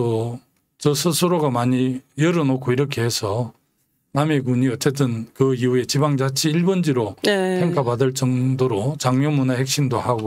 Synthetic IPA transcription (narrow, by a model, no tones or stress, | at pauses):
o | t͡ɕʌsʰɯsʰɯɾoɡamaɲijʌɾɯnokʰoiɾʌkʰe̞ɦesʰʌ | nameɡ̬uɲiʌt͡ɕ͈e̞t̬͈ɯnkɯiue̞t͡ɕibaŋd͡ʑat͡ɕʰiːɭbʌnd͡ʑiɾopʰeŋkʰabadɯɭt͡ɕ͈ʌŋdoɾot͡ɕaŋɲʌmunahe̞k̚ɕ͈imdohaɡo